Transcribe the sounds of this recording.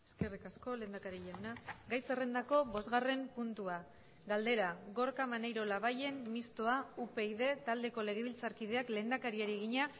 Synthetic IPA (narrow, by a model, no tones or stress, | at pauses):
e̥ske̞rikasko̞le̞nd̪akaɾiʎawnaɡajse̞re̞nd̪ako̞βo̞zɣare̞mpunt̪ua | ɡald̪e̞ɾaɣo̞ɾkamanejɾo̞laβaje̞mmist̪oaupe̞iðe̞t̪ald̪e̞ko̞le̞ɣ̞e̞β̞ilt͡saɾkið̞e̞akle̞nd̪akaɾiaɾieɣiɲa